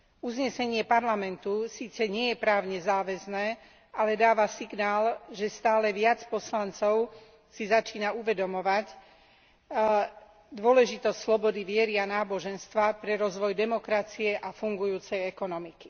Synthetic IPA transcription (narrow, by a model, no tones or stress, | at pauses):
uzɲɛsɛɲɪɛpaɾlamɛnt̪usiːt͡sɛɲɪɛjɛpɾaːʊɲɛzaːʋɛznɛː | alɛd̪aːʋasiɡnaːlʒɛst̪aːlɛʋɪat͡spɔslant͡sɔʊ | sizat͡ʃiːnauʋɛd̪ɔmɔʋac | d̪ʊɔlɛʒit̪ɔsʲslɔbɔd̪iʋɪɛɾianaːbɔʒɛnst̪ʋapɾɛɾɔzʋɔjd̪ɛmɔkɾat͡siɛʔafuŋɡujuːt͡sɛjɛkɔnɔmiki̥